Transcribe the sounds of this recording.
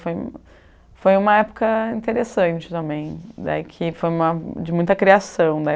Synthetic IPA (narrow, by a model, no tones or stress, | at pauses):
foj | fojũmɐɛpʊ̥kɐĩt̪eɾesɐ̃t͡ʃɪ̥t̪ɐ̃mbẽj̃d̪a̰ikʰɪfojũmɐd͡ʒɪmũj̃t̪ɐkɾiasɐ̃w̃d̪ɐɛ